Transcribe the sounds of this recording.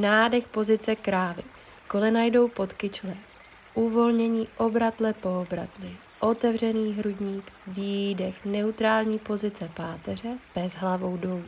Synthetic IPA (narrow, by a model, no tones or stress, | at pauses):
naːdɛxpo̞zɪt͡sɛkɾaːvɪ̰ | ko̞lɛnajdo̞wpo̞t̪kɪt͡ʃlɛː | ʔuvo̞lɲɛɲiːʔo̞bɾat̪lɛpo̞obɾa̰t̪lɪ | ʔo̞t̪ɛvr̝ɛniːɦɾuɟɲiːkviːdɛxnɛut̪ɾaːlɲiːpo̞zɪt͡sɛpaːt̪ɛr̝ɛb̥ɛzɦlavo̞wdo̞luː